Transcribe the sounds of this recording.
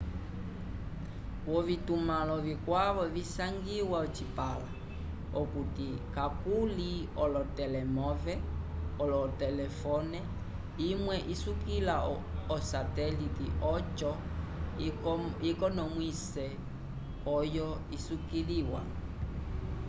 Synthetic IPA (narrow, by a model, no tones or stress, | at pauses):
wɔvitumalɔvikwaβɔvisaŋɡiwaɔt͡ʃipala | ɔkutikakuliɔlɔtɛlɛmɔvɛɔlɔtɛlɛfɔnɛ | imwɛʔisukila | ɔsatɛlitiʔɔt͡ʃɔ | ikɔnɔmwisɛ | ɔjɔ | isukiliwa